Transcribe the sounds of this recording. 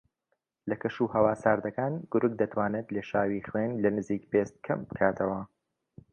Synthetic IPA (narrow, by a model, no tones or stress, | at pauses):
lɐkʰɐʃuhɐwaːsaːɾd̪ɐkaːnɡ̥ʊɾʊk̚d̪ɐt̪ʰwaːnet̪leːʃaːwiːχwenlɐnɨziːkbeːst̪̚kʰɐmbɨkʰaːt̪ʰɐwɐ